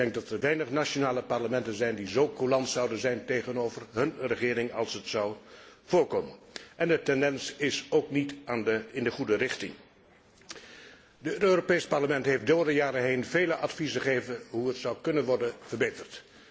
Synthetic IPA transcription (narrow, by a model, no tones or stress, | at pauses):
ɛŋk̚dɑtəɹʋɛjnəχnaʃonaːləpɑɹləmɛntənzɛjndizowkulɑntsʌwdənzɛjntejχənowvərɦɵnrəχɪːɾɪŋɑlˠsətsʌwv̥ʊːɹkoːmənʔɛndətɛndɛnsɪsowknitaːnɪndəχudərɪχtɪ̰ŋ | dəøːropejsə̥pɑɹləmɛntɦejfdoːdəjaːɾəɦejnvejləʔɑtfizəχejvənɦuətsʌwkɵnənʋɔɹdənv̥ərbejtərt